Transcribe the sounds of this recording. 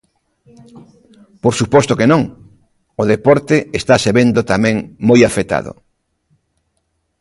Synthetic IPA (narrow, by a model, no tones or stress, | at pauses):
poɾsupɔst̪ʊkenõŋ | ʊðepɔɾt̪ɪest̪aseβend̪ot̪amɛ̃ŋmojafet̪a̰ðʊ̰